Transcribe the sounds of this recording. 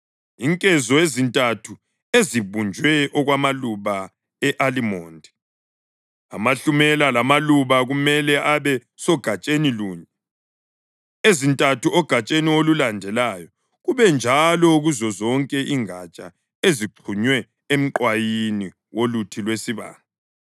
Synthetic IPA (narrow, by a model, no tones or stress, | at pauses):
iŋkʼɛzɔezintʼatʰu | eziβund͡ʒʱwɛʔɔɣwamaluβa | ɛʔalimɔːndʱɛ | amaɬumɛlalamaluβaɣumɛlɛʔaβɛ | sɔɡ̥ʱat͡ʃʼeniluːɲɛ | ezintʼatʰuɔɡ̥ʱat͡ʃʼeniolulandʱɛlaːjɔ | ɣuβɛnd͡ʒʱalɔuɣuzɔzɔŋkʼɛʔiŋat͡ʃʼa | eziǃʰuɲwɛ | em̩ǃwajini | wolutʰilwesiβa̰ːŋa